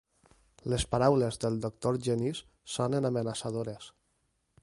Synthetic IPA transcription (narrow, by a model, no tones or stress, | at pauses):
lespaɾawlezðəlˠd̪ok̚t̪oɾʒɛnisː | onenamənasaðoɾes